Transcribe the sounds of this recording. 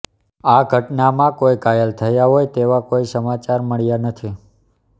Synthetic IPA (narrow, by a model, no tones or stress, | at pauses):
aɡʱəʈnamãkojkajəlt̪ʰəjaɦojt̪eʋakoisəmat͡ʃaɾməɭjanət̪ʰi